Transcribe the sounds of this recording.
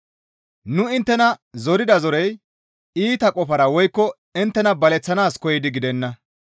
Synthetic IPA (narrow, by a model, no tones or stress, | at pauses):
nʊɪnt̪ːɛnɐzɔɾɪd̪ɐzɔɾɛj | iːt̪ɐkʼɔfɐɾɐwɔjkːɔ | ɪnt̪ːɛnɐbɐlɛt͡sːɐnaːskɔjɪd̪ɪɡɪd̪ɛnːɐ